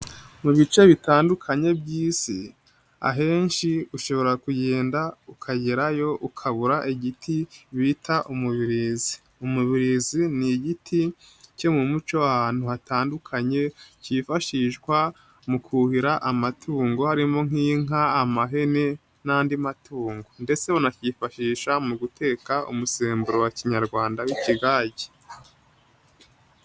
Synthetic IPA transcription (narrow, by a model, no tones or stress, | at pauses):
muβit͡ʃe̞βitaːndukʰaɲe̞bɟiːsḭ | a̰ɦe̞ːnʃiuʃo̞βo̞ɾakujeːndaukʰaɟeɾajo̞ʔukʰaβuɾaʔiɟitʰiβitʰaʔumuβiɾizi | umuβiɾiziniɟitʰi | ce̞mumut͡ʃo̞ahaːn̥huhataːndukʰaɲe̞cifaʃiʃɡwa | mukuhiɾaʔamatʰuːŋɡo̞haɾimo̞ŋ̥iːŋaːmaɦe̞ne̞ | naːndimatʰuːŋɡo̞nde̞t͡se̞unacifaʃiːʃamuɡutʰe̞ːkaʔṵmuseːmbuɾowaciɲaɾɡwaːndawiciɡaːɟe̥